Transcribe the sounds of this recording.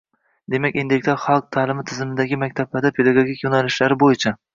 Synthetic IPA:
d̪e̞makʲind̪ek̚ʲt̪ʰaɾχɑlˠq̚t̪ʰaːlɪmɪt̪ʰɪzɪmɪd̪aɡʲɪmak̚ʲt̪ʰablaɾd̪apʰe̞d̪aɡoɡʲikʲjonalɪʃlaɾɪbojɪt͡ʃʰa

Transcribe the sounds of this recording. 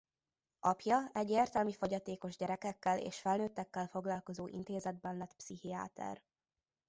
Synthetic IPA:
ɒpjɒɛɟːeːrt̪ɛlmifoɟɒt̪eːko̞ʒɟɛɾɛkɛkːɛlḛːʃfɛlnøːt̪ːɛkːɛlfo̞ɡlɒlko̞zoːʔḭnt̪eːzɛd̪̚bɛnlɛt̪psihia̰ːt̪ʰɛ̰r

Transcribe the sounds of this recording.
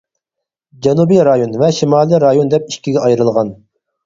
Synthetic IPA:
d͡ʒɑnubijɾɑjonvɛʃimɑːlˠiɾɑjond̪ɛpiʃkʲiɡʲɛɑjɾɨlˠʁɑn

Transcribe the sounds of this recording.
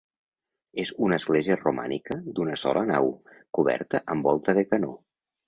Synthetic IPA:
ezunəːzɣleziəruma̰nikəd̪unəsɔ̰lʔənawkuβ̞ɛ̰ɾt̪əʔəmbɔlˠt̪əðəkəno

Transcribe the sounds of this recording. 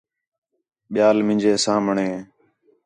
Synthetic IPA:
ɓɪjaːlmɪ̃ːd͡ʒeːsãːmɳeː

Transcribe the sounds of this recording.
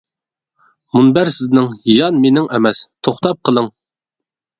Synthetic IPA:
munbæɾsɪznɪŋjɑnmenɪŋʔɛmɛst̪ʰoχt̪ʰɑp̚qʰəlˠəŋ

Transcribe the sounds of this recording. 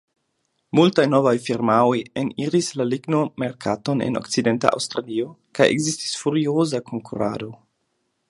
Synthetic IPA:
multajno̞vajfiɾmaojeniɾislaliɡno̞me̞ɾkʰato̞ne̞̰no̞̰kt͡side̞nta̰ʔa̰wstɾalio̞kajʔe̞̰ɡzisti̥sfuɾiozakʰo̞ŋkʰuɾa̰do̞

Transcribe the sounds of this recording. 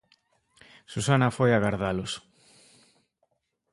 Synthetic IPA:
susanafojaɣaɾðalʊs

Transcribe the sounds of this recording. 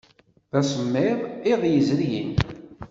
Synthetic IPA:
ðæsəmːɪʁˤɪʁjəzɾjə̰n

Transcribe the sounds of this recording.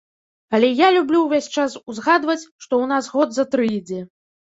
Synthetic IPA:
alʲɛjalʲublʲuwvʲesʲt͡ʂasuzɣad̪vɐt͡sʲʂt̪ɔwn̪azɣɔd̪zɐt̪ɾɨjd͡zʲɛ

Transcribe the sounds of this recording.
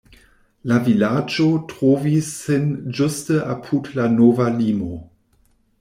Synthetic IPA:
lavilad͡ʒotʁ̥oːvisːɪnd͡ʒʊstəʔa̰pʰutlanoːvaliːmo

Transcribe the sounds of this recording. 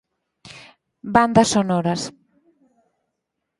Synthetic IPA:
band̪ɐsonɔɾɐs

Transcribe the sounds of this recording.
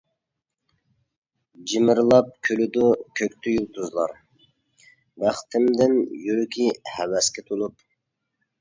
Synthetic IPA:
d͡ʒimɪɾlˠɑp̚kʲʰølyd̪ukʲʰøkʲt̪ʰyjulˠt̪ʰuzlˠɑ̰ɾ | bæχt̪ʰɪmd̪ɪnjyɾkʲʰihɛwɛskʲɛt̪ʰolˠup

